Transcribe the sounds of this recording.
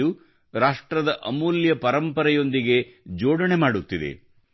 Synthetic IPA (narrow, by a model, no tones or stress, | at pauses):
u | ɾaːʂʈɾɐd̪ɐʔɐmuːljɐpɐɾɐmpɐɾɐjo̞nd̪iɡe̞d͡ʒoːɽɐɳe̞maːɽut̪ːid̪e̞̰